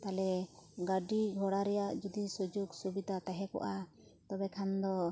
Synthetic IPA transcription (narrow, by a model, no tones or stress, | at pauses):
t̪alɛɡaɖiɡʱɔɽaɾɛjaʔd͡ʒud̪isud͡ʒuɡsubid̪ʱat̪aɦɛkɔ̰ʔa | t̪ɔbɛkʰand̪ɔ